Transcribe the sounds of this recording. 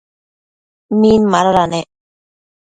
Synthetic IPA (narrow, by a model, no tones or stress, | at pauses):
miːnmaɾoɾane